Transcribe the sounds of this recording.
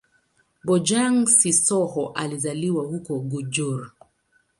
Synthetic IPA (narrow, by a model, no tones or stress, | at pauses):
bɔd͡ʒaŋsisɔhɔʔalizaliwahukɔɡud͡ʒɔɾ